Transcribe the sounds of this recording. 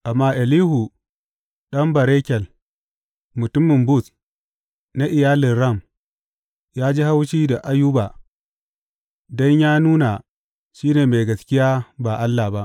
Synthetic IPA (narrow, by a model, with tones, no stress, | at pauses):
ʔa˨mːaː˦ʔɛ˨liː˦hu˨ | ɗɐ˦mbɐ˨ɾe˦kʲɛ˨l | mʊ˨tʊ˦mːɪ˨mbʊ˦˨s | na˦ʔɪ˨jaː˦lɪ˨nɾɐ˦˨m | jaː˦d͡ʒi˦ha˦wʃiː˦da˨ʔa˦ju˦ba˨ | dɔ˦ɲjaː˦nuː˦na˨ | ʃiː˦neː˨me˨jɡɐ˨skʲɪ˦jaː˦ba˨ʔa˦lːa˨ba˦ʔ